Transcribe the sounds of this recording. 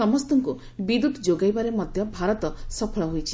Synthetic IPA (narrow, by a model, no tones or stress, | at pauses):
ɔmɔst̪ɔŋku | bid̪ut̪d͡ʒoɡajbaɾemɔd̪ʱjɔbʱaɾɔt̪ɔsɔpʰɔɭɔɦojt͡ʃʰi